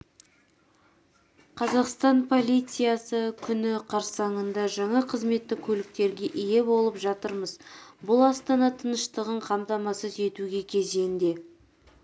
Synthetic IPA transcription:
qʰɑzɑqst̪ɑnpʰo̞lʲˠijt̪sɨjɑsəkʲʰʏnɪqʰɑɾsɑɴənd̪ɑʒɑɴɑqʰəzme̞t̪ːɪkʲʰɵlɪk̚t̪e̞ɾɡʲe̞ʔije̞bo̞lˠəpʒɑt̪əɾməzbʊlˠɑst̪ɑnɑt̪ʰənəʃt̪əʁəɴqʰɑmt̪ɑmɑsəze̞t̪uɡʲe̞kʲʰe̞ze̞nd̪e̞

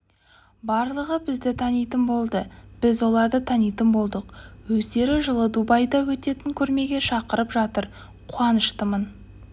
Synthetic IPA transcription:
bɑɾlˠəʁəbɪzd̪ɪt̪ʰɑnijt̪ənbo̞lˠd̪əb̥ɪzwo̞lˠɑɾd̪ət̪ʰɑnijt̪əmbo̞lˠd̪əqwɵzd̪e̞ɾɪʒəlˠəd̪ubɑjd̪ɑwɵt̪e̞t̪ɪŋkʲʰɵɾme̞ɡʲe̞ʃɑqəɾəpʒɑt̪əɾ | qʰuɑnəʃt̪əmən

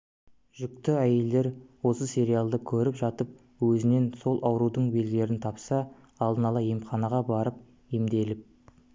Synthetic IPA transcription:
ʒ̥ʏk̚t̪ɪæje̞ld̪e̞ɾwo̞səsʲe̞ɾijalˠd̪əkʲʰɵɾɪpʒɑt̪əp̚ | wɵzɪne̞nso̞lˠʔɑwɾud̪əɴbe̞lɡ̪ʲe̞ɾɪnt̪ʰɑpsɑː | lˠd̪ənɑlˠɑjimχɑnɑʁɑbɑɾəp̚ | emd̪e̞lɪp̚

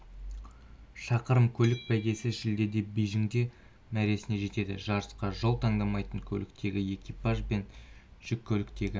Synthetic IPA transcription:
ʃɑqəɾəmkʲʰɵlɪk̚bæɡʲe̞sɪʃɪld̪e̞d̪e̞bijʒɪŋd̪e̞ | mæɾe̞sɪne̞ʒe̞t̪e̞d̪ɪ̰ʒɑɾəsqɑʒo̞lˠt̪ʰɑɴd̪ɑmɑjt̪əɴkʲʰɵ̰lɪkt̪ʰe̞ɡʲɪje̞kʲipɑʒbe̞nʒ̥ʏkʲʰːɵlɪkt̪e̞ɡʲɪ

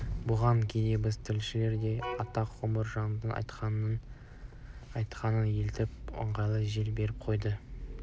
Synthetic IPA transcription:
bʊʁɑŋkʲʰed̪e̞bɪzt̪ʰɪlʃɪle̞ɾd̪e̞jɑt̪ɑqːʊməɾʒɑnd̪ənɑ̰jt̪qɑnə | ɑjt̪qɑnənjelt̪ɪpʊ̰ɴʁɑjlˠəʒelbe̞ɾɪp̚qʰo̞jd̪ə

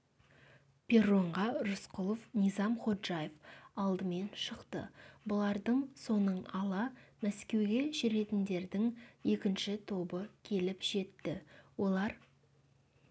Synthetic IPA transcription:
pʰʲe̞roɴʁɑɾʊsqʊlˠofnijzɑmχo̞t̪ʒɑjefɑlˠd̪əme̞nʃəqt̪ə̰bʊlˠɑɾd̪əɴso̞nəɴɑlˠɑmæskʲe̞wɡʲe̞ʒɪɾe̞t̪ɪnd̪e̞ɾd̪ɪŋje̞kʲɪnʃɪt̪ʰo̞bəkʲʰe̞lɪpʒ̥e̞t̪ːɪwo̞lˠɑɾ

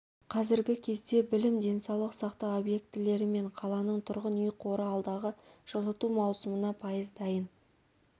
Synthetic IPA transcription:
qʰɑzɪɾɡʲɪkʲʰe̞zd̪e̞bɪlɪmd̪e̞nsɑwlˠəqsɑqt̪ɑo̞bje̞k̚t̪ɪle̞ɾɪme̞ɴqʰɑlˠɑnəɴt̪ʰʊɾʁənijqʰo̞ɾəɑlˠd̪ɑʁəʒ̥əlˠət̪umɑwsəmənɑpʰɑjəzd̪ɑjən

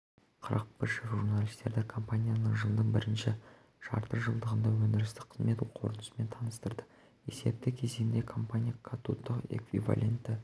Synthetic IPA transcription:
qʰəɾɑ̰q̚pɪɾʃɪʒuɾnalʲist̪e̞ɾd̪ɪkʰo̞mpanʲijanəɴʒəlˠd̪əɴbɪɾɪnʃɪ | ʒ̥ɑ̰ɾt̪əɾʒəlˠd̪əʁənd̪ɑwɵnd̪ɪɾɪst̪ɪ̥qʰə̥zme̞t̪qʰo̞̰ɾənəsəme̞nt̪ʰɑnəst̪əɾd̪ə | e̞se̞̰p̚t̪ɪkʲʰe̞zeɡɪnd̪e̞kʰo̞mpanʲijakʰat̪ut̪ːəqḛkvḭva̰lʲʔe̞̰nt̪ːɪ

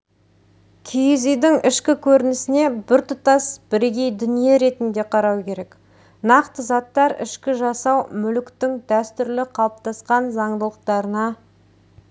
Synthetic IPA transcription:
kʲʰijzijd̪ɪŋʔɪʃkʲɪkʲʰɵɾɪnɪsɪne̞bɪɾt̪ʊt̪ɑsb̥ɪɾɡʲe̞jd̪ʏnije̞ɾe̞t̪ɪnd̪e̞qʰɑɾɑwkʲe̞ɾe̞k | nɑqt̪əzɑt̪ːɑɾɪ̰ʃkʲɪʒɑsɑwmʏlkt̪ɪŋd̪æst̪ʏɾlɪqʰɑlˠəp̚t̪ɑsqɑnzɑɴd̪əlˠəq̚t̪ɑɾənɑ

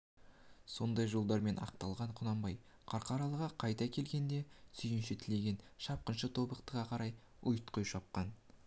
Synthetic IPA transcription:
so̞nd̪ɑjʒo̞lˠd̪ɑɾme̞nʔɑ̰q̚t̪ɑlˠʁɑɴqʰʊnɑmbɑj | qʰɑɾqɑɾɑlˠəʁɑqʰɑjt̪ɑkʲʰe̞lɡʲe̞nd̪e̞sʰʏjɪnʃɪt̪ʰɪle̞ɡʲe̞nʃɑp̚qənʃət̪ʰo̞bəqt̪əʁɑqʰɑɾɑj | ʊjt̪qojʃɑp̚qɑn

